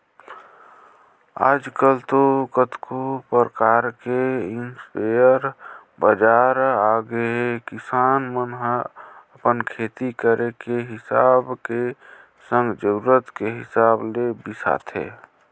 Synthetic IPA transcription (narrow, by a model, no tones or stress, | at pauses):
a̰ːd͡ʒkəlt̪okət̪kʰupəɾəkaːɾkeɪnspejəɾ | bəd͡ʒaːɾaːɡekɪsaːnmənɦəpənkʰeːt̪ikəɾʔekeɦɪsaːbke | sə̃ŋɡd͡ʒəɾuɾət̪keɦɪsaːblebɪsa̰ːt̪ʰḛː